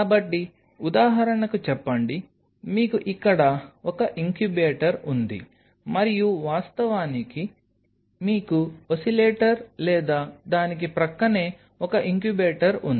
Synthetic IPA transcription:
kaːbɐʈːi | ud̪aːɦɐɾɐnɐkut͡ʃɛpːɐɳɖi | miːkuʔikːɐɽɐɔkɐʔiŋkjubeːʈɐɾund̪ḭ | mɐɾijuʋaːst̪ɐʋaːniki | miːkuosileːʈɐɾlɛːd̪aːd̪aːnik̬ipɾɐkːɐneː | ɔkɐʔiŋkjubeːʈɐɾun

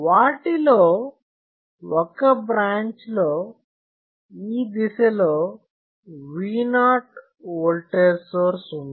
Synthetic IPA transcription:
ʋaːʈiloː | wɔkɐbɾaːɲt͡ʃloː | iːd̪isɐloː | ʋiːnaːʈ | ʋɔːlʈeɾsoːɾsund̪i

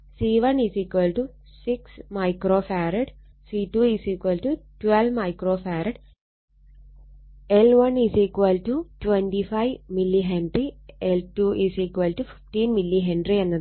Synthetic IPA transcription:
siːʋɐnisikːʋɐlʈu | siksmɐjkroːfaːɾɐɖ | situːisikːʋɐlʈutwelʋmɐjkroːfaːɾɐɖ | elʋɐnisikwʋɐlʈutwendifɐjʋmilːiɦeɳɖrieltuʔisikːʋɐlʈufi̥fʈiːnmilːiɦeɳɖrienːɐðɨ

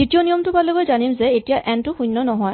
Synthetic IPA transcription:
ditijonijɔmtʊpalebɔjzanimzɛetijaʔʔɛntʊxujnːɔnɔɦɔj

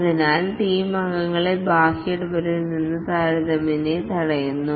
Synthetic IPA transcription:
ɐðinaːlʈiːmɐŋɡɐŋːɐɭebʱaːɕeʈːupɐɾuninːɨt̪aːɾɐðɐminet̪ɐɽɐjunːu

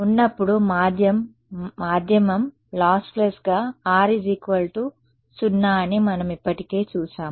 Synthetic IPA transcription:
unːɐpːuɽumaːd̪ʱjɐmː | aːd̪ʱjɐmɐm | laːsplesɡaːaːɾid͡ʒikʋɐlʈu | t͡ʃunːaːɐnimɐnɐmipːɐʈike̞ːt͡ʃuːʃaːm

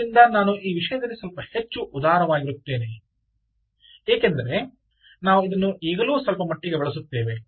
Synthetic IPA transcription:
ind̪ɐnaːnuʔiːʋiʂɐjɐd̪ɐlːisɐlpɐhe̞t͡ʃːuʔud̪aːɾɐʋaːɡiɾut̪ːe̞ːne | eːkend̪ɐɾe̞ | naːʋuid̪ɐnːuʔiːɡɐluːsɐlpɐmɐʈːiɡebɛɭɐs̬ut̪ːeːʋe̞

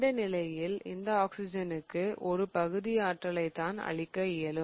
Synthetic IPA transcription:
ɽɐnɪlɐjɪlɪ̰nd̪ɐaːksɪd͡ʒɐnɯkːɯʔɔɾɯpɐɣɯðɪjaːʈrɐlɐɪt̪ːaːnɐ̰ɭɪkːɐɪjɐlɯ

